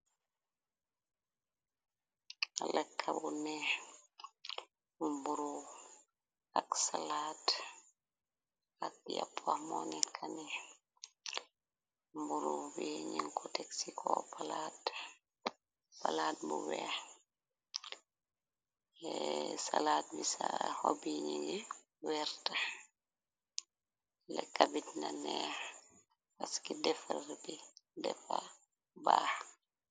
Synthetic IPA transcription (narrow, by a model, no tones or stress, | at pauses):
alakʰːabunɛ | mbuɾu | aksalaːt | ak̚ja̰pʰːwahmɔnikʰanɛ | mbuɾubiɲiŋkɔtɛksikʰɔpalat | palaːtmuwɛh | ɛsalaːt̚misahobiɲiɡɛ | wɛɾta | lɛkabitnanɛh | paskidɛfɾbidɛfa | baːh